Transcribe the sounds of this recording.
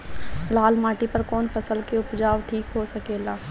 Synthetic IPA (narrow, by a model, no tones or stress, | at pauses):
laːlmaːʈipɐɾkɔːnfʰɐsəlkeʊpd͡ʒaːʋʈʰiːkɦosɐkeːlaː